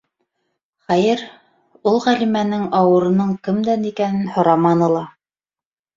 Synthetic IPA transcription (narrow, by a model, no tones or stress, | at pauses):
χæjɘɾ | ulˠʁælimænɘŋɑwɤ̆ɾɤ̆nɤɴkɘ̆md̪ænikænɘnhŏɾɑmɑnɤlˠɑ